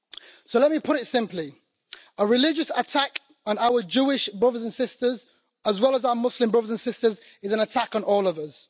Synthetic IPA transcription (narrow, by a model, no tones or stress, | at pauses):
soʊlɛt̚mipʰʊɾɪtsɪ̃mpli | əɹɪlɪd͡ʒəsətʰak | naʊəd͡ʒʉːɪʃbɹʌðəzə̃nsɪstəz | əzwɛlˠəzaʊəmʊslɪ̃mbɹʌðəzə̃nsɪstəz | ɪzə̃nətʰakn̩ɔːlˠʌvəz̥